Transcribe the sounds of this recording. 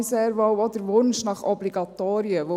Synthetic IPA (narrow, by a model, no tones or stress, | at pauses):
seːɾʋowɔd̪əɾʋʊnʃnɑχɔbliɡɑt̪oːɾiəʋo